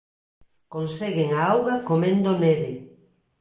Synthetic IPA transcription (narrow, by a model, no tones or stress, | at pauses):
konseɣɪŋaawɣɐkomẽnd̪oneβɪ